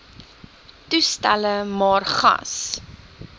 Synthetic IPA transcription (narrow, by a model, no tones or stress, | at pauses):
tustæ̰ləmɑːrχɐ̰s